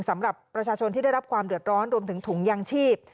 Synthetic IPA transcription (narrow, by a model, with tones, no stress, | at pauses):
ŋsa˩˦mɾa˨˩pːɾa˧t͡ɕʰaː˧t͡ɕʰo˧nt̪iː˥˩da˥˩jɾa˦˥p̚kʰwaː˧mdɯ˨˩ət̪̚ɾɔː˦˥nɾu˧əmt̪ʰɯ˩˦ŋt̪ʰu˩˦ŋjaː˧ŋt͡ɕʰiː˥˩p̚